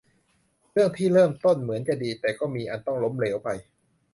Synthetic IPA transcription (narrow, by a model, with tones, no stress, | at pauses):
ɾɯ˥˩əŋt̪ʰiː˥˩ɾɤː˥˩mt̪o˥˩nmɯ˩˦ənt͡ɕa˧diː˧t̪ɛː˨˩kɔː˥˩miː˧ʔa˧nt̪ɔ˥˩ŋlo˦˥mleː˩˦wpa˧j